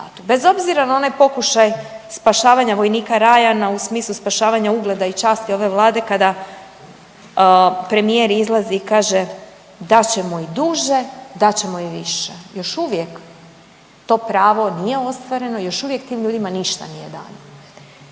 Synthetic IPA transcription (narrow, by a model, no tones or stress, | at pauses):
a̰t̪ube̞zo̞bziɾanao̞najpo̞kuʃajspaʃaːʋaɲaʋo̞jniːkaɾajanausmiːslˠuspaʃaːʋaɲauɡle̞d̪ait͡ʃaːst̪io̞ʋe̞ʋlˠaːd̪e̞kad̪a | pɾe̞mije̞ɾizlˠaziːkaːʒe̞ | d̪at͡ɕe̞moid̪uʒe̞d̪at͡ɕe̞moiʋiʃejo̞ʃuʋje̞k | t̪o̞ːpɾaːʋo̞nije̞o̞st̪ʋaɾe̞nojo̞ʃuʋje̞kt̪iːmʎuːd̪imaniʃt̪a̰nije̞d̪a̰ːno